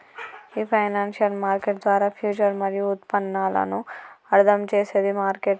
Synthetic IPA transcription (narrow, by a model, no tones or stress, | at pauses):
iːpʰɐjnaːnʃijɐlmaːɾkeʈd̪ʋaːɾaːpʰjuːt͡ʃɐɾmɐɾijuut̪pɐnːaːlɐ̰nuɐɾd̪ʱɐmt͡ʃeːseːd̪imaːɾkeʈ